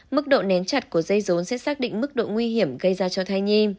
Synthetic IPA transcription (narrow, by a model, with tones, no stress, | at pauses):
mɨ˦˥k̚ɗo̰˧˨nɛ˨˦nt͡ɕa˨˧˩t̚ku˧˩əzə˧jzo˨˦nsɛ̰˧˥saː˦˥k̚ɗḭ˧˨ŋ̟mɨ˦˥k̚ɗo̰˧˨ŋwi˧ɦi˧˩əmɣə˧jzaː˧t͡ɕɔ˧t̪ʰa˧jɲi˧m